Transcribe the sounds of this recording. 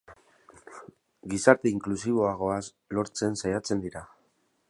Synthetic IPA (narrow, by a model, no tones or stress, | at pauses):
ɡisaɾt̪e̞iŋklusiβo̞aɣ̞o̞as | lo̞ɾt͡se̞nsajat͡se̞nd̪iɾa